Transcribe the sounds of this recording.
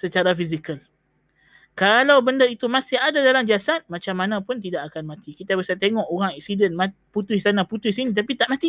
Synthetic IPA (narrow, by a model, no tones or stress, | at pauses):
sət͡ʃaɾafis̬ikəl | kalawbəndəit̪umãsɪhadadalamd͡ʒiasat̪̚mãt͡ʃamːanãpʊnt̪̬idaʔakanmãt̪ikit̪abasat̪eŋɔʔoɾaŋɛk̚sidənmaput̪ʊɪhsanaput̪ʊhs̬inĩt̪apit̪aʔmat̪i